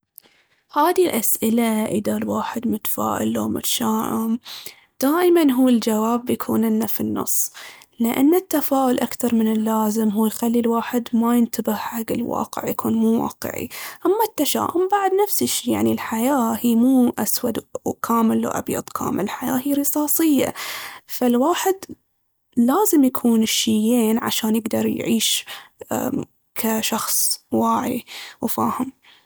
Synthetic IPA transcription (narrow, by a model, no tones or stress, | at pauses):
haːðilʔasʔɪlaʔɪðalwaːħɪd̪mʊt̪ḁfa̰ːʔɪ̰lːo̰ːmʊ̰t̪ʃaːʔʊm | d̪̥aːʔɪmanɦuːɪld͡ʒawaːbːjakʰuːnɪnːafinːɑ̰sˤːlɪʔa̰nːɪt̪ːafaːʔʊlʔakθɑɾˤmɪnɪlːaːzɪmɦuːjxalːilwaːħɪd̪majɪnt̪abɪhħaɡɪlwɑ̰ːqɪ̰ʕjakʰuːnmuːwɑ̰ːqɨ̰ʕḭʔamːat̪ːaʃa̰ːʔʊmbaʕd̪nafsɪʃiːja̰ʕnilħajaːhiːmuːʔaswad̪wkʰaːmɪlːa̰ʔa̰bjɑ̰d̪ˤkʰa̰ːmɪ̰lɪlħaja̰ːhiːɾɨsˤɑːsˤɨjːa̰falwaːħɪd̪ | laːzɪmjakʰuːnʃːɪjːeːnʕa̰ʃaːnjɪɡd̪ɑɾˤjʕiːʃ | kʰaʃɑxsˤwaːʕḭwfaːhɪm